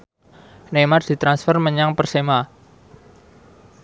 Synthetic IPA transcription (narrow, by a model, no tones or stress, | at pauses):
nemard̪̥i̤t̪ɾansfərməɲaŋpərsema